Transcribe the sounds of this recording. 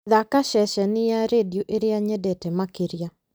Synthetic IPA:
ðakaʃɛʃɛnɪjaɾedioʔeɾjaɲɛdɛtɛmakeɾja

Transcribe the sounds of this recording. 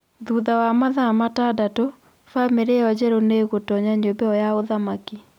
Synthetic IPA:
ðuːðawamaðamatadato | fameɾeɔd͡ʑɛɾoneɣotɔɲaɲobɛɔjaoðamaki

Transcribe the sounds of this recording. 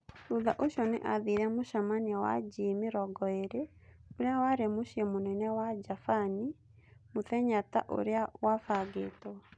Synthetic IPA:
tuðaʔoɕɔnḛʔaðiɾɛmoʃamaniawa̰d͡ʒimiɾɔɡɔeɾeoɾeawaɾemoɕiɛmonɛnɛwad͡ʒafani | moθɛɲata̰ʔo̰ɾeawafaɡetɔ

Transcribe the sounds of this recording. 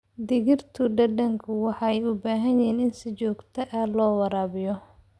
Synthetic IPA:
d̪ɪɣɪrt̪ʰʊɖɐɖɐŋkʰʊwɑħɑɛjʊbaːɦɐnjiːnɪnsɪt͡ʃɔːɡt̪ʰɐʔalɔːwɑɾaːβɪjɔ

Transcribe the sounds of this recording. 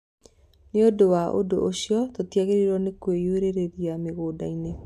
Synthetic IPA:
neodowaʔo̰doʔoɕiɔtotiaɣeɾiɾwɔnekwejueɾeɾeɾiameɣoːdaine

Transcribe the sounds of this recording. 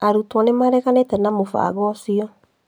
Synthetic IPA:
aɾutwɔnemaɾɛɣanetɛnamofa̰ɡɔsiɔ

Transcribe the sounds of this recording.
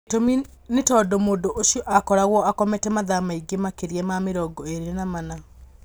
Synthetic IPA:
tomi | netɔdomoːdoʔoʃjɔʔakɔɾaɣwɔakɔmɛtɛmaðamaiɡemakeɾiɛmameɾɔɡɔeɾeɾenamana

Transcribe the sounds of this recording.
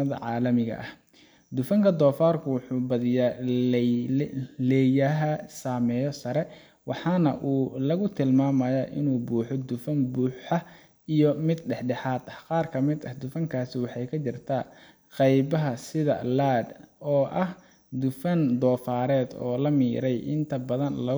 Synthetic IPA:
ɐðɐ̰ʕɑːlɐmɪɣɐ̰ʔɐh | d̪ʊfɐŋkʰɐd̪ɔːfaːrkʰʊwʊħuːbɐðɪja | lɛjɐɦɐsaːmɛːjɔsɐɾɛ | wɑħɑːnɐ̰ʔuːlɐɣʊt̪ʰɪlmaːmɐjɐʔɪnuːbuːħɔd̪ʊfɐnbuːħɐ | ijɔmɪd̪ɖɛħɖɛħaːd̪ɐhqɑːrkʰɐmɪd̪ɐhd̪ʊfɐŋkʰaːsɪwɑħɑjkʰɐt͡ʃɪrt̪ʰa | qɑjbɐɦɐsɪðɐ̰laːd̪ɔːʔɐh | d̪ʊfɐnd̪ɔːfaːɾɛːd̪ɔ̰ːlɐmiːɾɛjʔɪ̰nt̪ʰɐbɐðɐnlɐ

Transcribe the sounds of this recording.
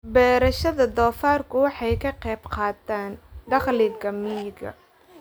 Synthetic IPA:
bɛːɾɐʃɐðɐd̪ɔːfaːrkʰʊwɑħɑjkʰɐqɛːbqɑːd̪aːnd̪ɐχliːd̪ɡʰɐmiːɡɐ̰

